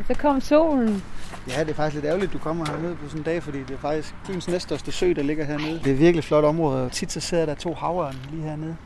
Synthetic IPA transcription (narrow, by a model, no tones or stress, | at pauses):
sɒ̽kʰɒ̽m̰so̝̰ːln̩jæd̥e̝fɑɡ̥isɡ̥le̝ɾæʊlid̥̚d̥ukʰɒ̽m̰ɐhæɐne̝ð̞̰ˠpʰɒ̽sɔ̽nd̥ɛ̰ːfɒɾḭːd̥e̝æfɑ̈ɡ̥̚isɡ̥fy̰ːnsnesd̥ɒsd̥əsø̰ːd̥ɑ̈le̝ɡ̥ɐɦeɐneð̞ˠd̥e̝æɐʋiɐɡ̥əliflɒ̽ɾ̥ɒ̽mʁɔ̽ːð̞̩ˠɒ̽t͡sʰid̥sɒ̽se̝ð̰ˠɐɾ̥ɑt͡sʰo̝̰ːhɑ̈ʊɐnliːhæɐ̰ne̝ð̞ˠ